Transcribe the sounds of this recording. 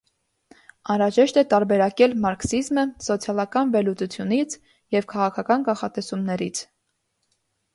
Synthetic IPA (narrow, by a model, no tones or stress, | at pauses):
ɑnɾɑʒɛʃt̪ɛt̪ɑɾbɛɾɑkɛlmɑɾksizməsɔt͡sʰjɑlɑkɑnvɛlut͡sut͡sʰjunit͡sʰ | jɛvkʰɑʁɑkʰɑkɑnkɑχɑt̪ɛsumnɛɾit͡sʰ